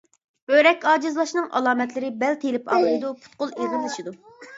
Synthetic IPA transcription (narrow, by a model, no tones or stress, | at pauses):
b̥øɾɛkʲɑːd͡ʒɪzlˠɑʃnɨŋʔɑ̰lˠɑːmɛt̪lɪɾɪbɛlt̪ʰelɪpʰɑ̰lˠɨɾɨd̪upʰu̥t̪̚qolˠeʁənlˠɨʃid̪u